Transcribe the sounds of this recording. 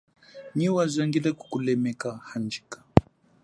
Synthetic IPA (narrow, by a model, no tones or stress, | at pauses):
ɲiwazaŋɡilɛku̥kulɛmɛkahand͡ʒi̥kḁ